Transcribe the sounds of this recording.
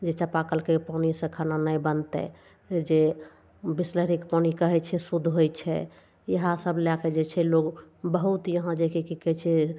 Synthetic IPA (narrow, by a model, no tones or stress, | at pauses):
d͡ʒet͡ʃəpakəlkepanisə̃kʰananəjbənt̪ɛ̰ | d͡ʒe | bisləɾikpanikəɦɛt͡ʃʰɛsud̪ʱɦojt͡ʃʰɛ̰ | jəɦãsəblaked͡ʒet͡ʃʰɛloɡbəɦut̪jəɦãd͡ʒekikikɛt͡ʃʰɛ